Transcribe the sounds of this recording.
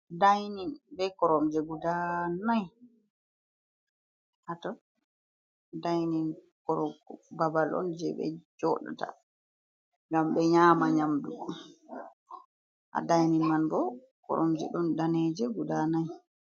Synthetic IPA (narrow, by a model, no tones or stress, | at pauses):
dajninbɛkɔɾɔmd͡ʒɛɡudanaj | hatɔ | dajnin | kɔɾɔbabalʔɔ̰nd͡ʒɛ̰bɛ̰d͡ʒɔɗa̰ta̰ | ŋɡamɓɛɲaːmaɲamdu | ʔa̰dajninmanbɔ | kɔ̰ɾʔɔ̰md͡ʒɛ̰ɗɔndanɛd͡ʒɛɡudanaj